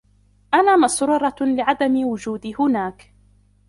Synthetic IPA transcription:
ʔanaːmɑsʊɾʊɾˤɑlɪʕad̪amɪwʊd͡ʒuːd̪ɪhʊnaːk

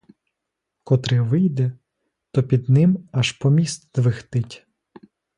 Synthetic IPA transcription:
kɔt̪ɾɪʋɪjd̪ɛ | t̪ɔpʲid̪nɪmɐʃpɔmʲist̪d̪ʋɪxt̪ɪtʲ

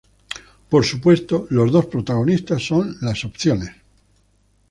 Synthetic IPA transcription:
po̞ɾsupwe̞st̪olo̞zðo̞spɾot̪aɣ̞onist̪asːõ̞nlaso̞pθjones

